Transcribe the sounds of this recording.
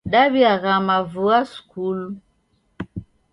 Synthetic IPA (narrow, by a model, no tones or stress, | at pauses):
ɗaβiaɣamavuaskulu